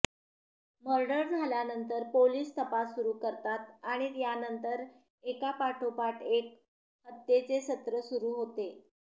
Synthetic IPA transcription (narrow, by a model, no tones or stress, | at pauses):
məɾɖəɽd͡zʱaljanənt̪əɾpoliːst̪əpasːuɾuːkəɾt̪at̪̚aɽ̃it̪janənt̪əɾ | ekapaʈʰopaʈʰek̚ | hət̪ːet͡sesət̪ɾəsuɾuːɦot̪e